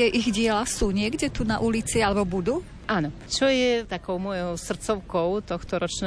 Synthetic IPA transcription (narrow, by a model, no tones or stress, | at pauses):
ɛʔiɣɟɪɛlasuːɲɪɛɡɟɛt̪una̰ʔulit͡sialɛbɔbud̪uː | ʔanɔ | t͡ʃɔjɛt̪akɔʊmɔjɔʊsr̩t̪t͡sɔʊkɔʊt̪ɔxt̪ɔɾɔt͡ʃnɛ